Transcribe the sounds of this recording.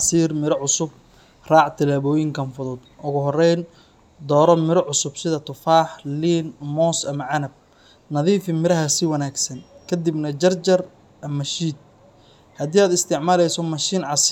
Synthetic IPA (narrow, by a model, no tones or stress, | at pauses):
ɑsiːrmɪɾɔʕʊsʊb | raːʕt̪ʰɪlaːβɔːjɪŋkʰɐnfʊðʊd̪ʔʊɣʊɦɔrɛjn | d̪ɔːɾɔmɪɾɔʕʊsʊbsɪðɐt̪ʰʊfaːħliːnmɔːsɐmɐʕɑnɐb̚ | nɐðiːfɪmɪɾɐɦɐsɪwɐnaːɡsɐnkʰɐd̪ibnɐt͡ʃɐrt͡ʃɐr | ʔɐmɐʃiːd̪̚ | hɐd̪iːaːd̪ɪst̪ʰɪʕmaːlɛjsɔmɐʃiːnʕɑs